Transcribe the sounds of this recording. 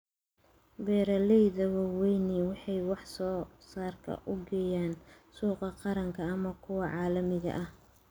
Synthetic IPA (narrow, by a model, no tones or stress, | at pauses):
bɛːɾɐlɛjðɐwɑwɛjniwɑħɑjwɑħsɔːsaːrkʰɐ̰ʔʊɡɛjaːnsuːqɑqɑɾɐŋkʰɐːmɐkʰʊwɑʕɑːlɐmɪɣɐ̰ʔɐh